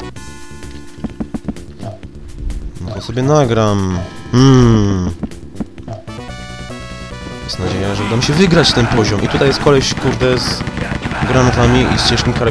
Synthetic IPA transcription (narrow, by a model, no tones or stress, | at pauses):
nɔt̪ɔsɔbʲjɛnaɡɾamm̩ | jɛst̪nad͡ʑejaʐɛud̪amɕɛvɘɡɾat͡ɕft̪ɛnpɔʑɔmʔit̪ut̪ajɛst̪̚kɔlɛɕkuɾd̪ɛz | ɡɾanɔvamʲiʔist͡ɕɛʂkʲikaɾɛ